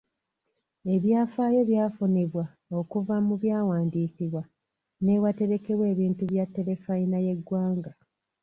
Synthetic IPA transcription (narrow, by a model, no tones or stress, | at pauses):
e̞βjaːfaːjo̞βjaːfuniβwa | o̞kuvamuβjaːwaːndiːkiβwa | ne̞wate̞ɾeke̞βwe̞ːβiːntuβjatːe̞ɾe̞fainaje̞ɡwaːŋɡa